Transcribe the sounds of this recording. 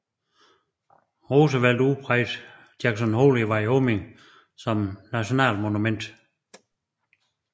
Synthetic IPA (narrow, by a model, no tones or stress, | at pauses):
ʁoːsəʋæl̰d̥upʰʁaɪd̥ | d̥aɡ̥sɔnho̝ːliʋɑ̈iɔːmeŋ | sɒ̽mnæɕo̝nɛ̰ːlmo̝numen̰d̥